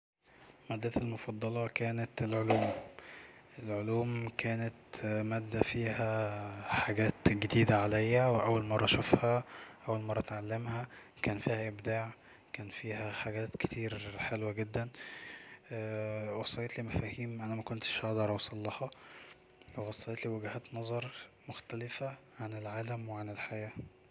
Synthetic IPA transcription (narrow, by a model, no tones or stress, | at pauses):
mæd̪ːæt̪elmofɑd̪ˤːɑlɑkæːnæt̪elʕoluːm | ʔelʕoluːmkʰæːnæt̪mæːd̪ːæfiːhæħaɡæːt̪ɡed̪iːd̪æʕalæjːæweʔæwːælmɑrˤːɑɑʃofhæʔæwːælmɑrˤːɑt̪ʕalːemhæ | kæːnfiːhæʔebd̪aːʕ | kæːnfiːhæħaɡæːt̪ke̥t̪ʰiːɾħelwæɡed̪ːænː | wɑsˤːɑjet̪liːmæfæːhiːmʔænæmækont̪ʃhɑd̪ˤɑɾˤɑwsˤɑlːɑhɑ | weɣɑsˤːɑjet̪liːwæɡhæːt̪nɑzˤɑɾˤmoxt̪ælefæ | ʕanelʕaːlæmweʕanelħajæː